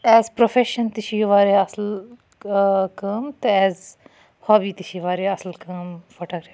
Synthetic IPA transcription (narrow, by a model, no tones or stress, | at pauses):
ɛːzpɾofeːʃənt̪iʃiːʋaːɾeːɐsl | kəːmt̪ɨɛːz | hoːbiːt̪iʃiʋaːɾeɐslkəːmfʰoːʈaːɡɾɛːf